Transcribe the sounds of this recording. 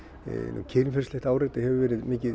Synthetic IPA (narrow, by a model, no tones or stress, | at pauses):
nṵcʰɛlmfɛɾ̥slɛht̪aːwɾet̪ɪhɛvʏvɛːɾɪðmɪːcɪ